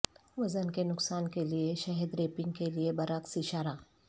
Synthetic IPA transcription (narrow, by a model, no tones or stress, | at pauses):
ʋɐzənkenʊksaːnkelieʃɐɦɛd̪ɾeːpɪ̃ŋɡ̚keliebɐɾəksiʃaːɾaː